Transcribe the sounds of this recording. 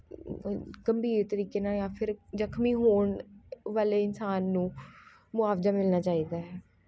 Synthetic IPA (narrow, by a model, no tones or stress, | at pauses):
ɡəmbʱiːɾt̪əɾiːkeːnaːjãːpʰɪɾzəkʰmiːɦoːɳʋaːleːɪnsaːnːũː | mʊaːʋzaːmɪlnaːt͡ʃaːiːd̪aːɦɛː